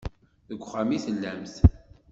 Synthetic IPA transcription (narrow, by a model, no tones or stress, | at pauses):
ðəɡʷχamiθəlːæmθ